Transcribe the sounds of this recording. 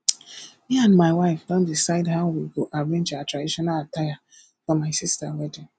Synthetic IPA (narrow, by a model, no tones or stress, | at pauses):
hiãndmaɪwaɪfdɔ̃ndisaɪdɦaʊwikoʔaɹẽnd͡ʒatɹadiʃɔnalatʰaja | fɔ̃maɪsistawɛdĩn